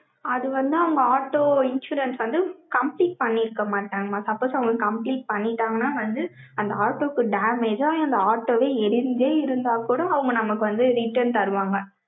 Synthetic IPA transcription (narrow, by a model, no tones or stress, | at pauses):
ɐðɯʋɐnd̪ɯɐʋɯŋɡɐaːʈːoːɪnʃuːɾɛnsʋɐnd̪ɯkɐmpliːʈ̚pɐɳːɪɾɯkːɐmaːʈːaːŋɡɐmaːsɐpːoːsɐʋɯŋɡɐkɐmpliːʈ̚pɐɳːɪʈːaːŋɡɐnaːʋɐnd̪ɯ | ɐnd̪ɐaːʈoːkːɯɖaːmeːd͡ʒaːɐnd̪ɐaːʈːoːʋeːɛɾɪnd͡ʒeːɪɾɯnd̪aːkuːɽɐːʋɯŋɡɐnɐmɐkːɯʋɐnd̪ɯɾɪʈːɐɾnt̪ɐɾɯʋaːŋɡɐ